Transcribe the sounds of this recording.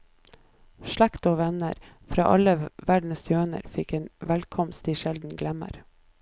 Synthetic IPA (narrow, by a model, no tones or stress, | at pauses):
ʃɭækt̪oːʋɛnə̰ɾ | fɾɑ̰ːʔɑləʋæɖn̩sjøːnə̰ɾfɪkeːnʋælkʰɔmst̪iːʃɛld̪n̩ɡlɛmə̰ɾ